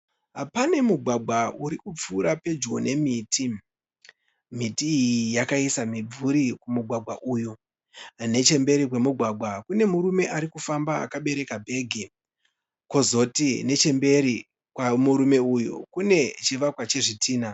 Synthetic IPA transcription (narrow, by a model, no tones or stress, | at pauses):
ɦapane̞muɡʱwaɡʱwauɾikup͡fuːɾape̞d͡ʒɡo̞ne̞miːtʰi | mitiːjijakaisamib͡vuɾikumuɡʱwaɡʱwaʔuːju | ne̞t͡ʃe̞mbe̞ɾik̬we̞muɡʱwaɡʱwakune̞muɾume̞ʔaɾikufambaa̰kaɓe̞ɾe̞kabʱe̞ːɡʱe | ko̞zo̞tine̞t͡ʃe̞mbe̞ɾi | kwamuɾume̞ujṵkune̞t͡ʃeʋakwat͡ʃe̞ʐitiːna